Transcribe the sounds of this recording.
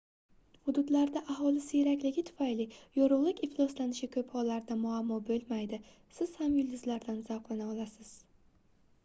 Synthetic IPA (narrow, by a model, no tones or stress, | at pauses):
hʊd̪ʊd̪laɾd̪aʔaɦɒlɪsɪjeɾakʲlɪɡʲɪt̪ʰʊ̥fajlɪjɒɾʊʁlˠɪkʲɪflˠɒslanɪʃɪkʰɵphɒlːaɾd̪amʊamːɒbɵlˠmajd̪ɪ | sɪz̥hamjʊlˠd̪ɪzlaɾd̪anzaqlˠanaɒlˠasɪz̥